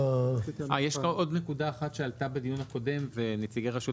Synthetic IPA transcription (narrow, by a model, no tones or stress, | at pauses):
ʔajeʃkao̞d̪nekudaːχatʃealtabedijunhako̞de̞mve̞net͡siɡeʁaʃu